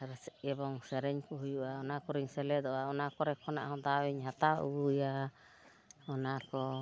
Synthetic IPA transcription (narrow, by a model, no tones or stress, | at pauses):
ɾsɛɛbɔŋsɛɾɛɲkɔɦujuʔaɔnakɔɾiɲsɛlɛd̪ɔaɔnakɔɾɛkʰɔna̰ʔhɔ̃d̪awɛɲɦat̪aṵuja | ɔnaɾkɔ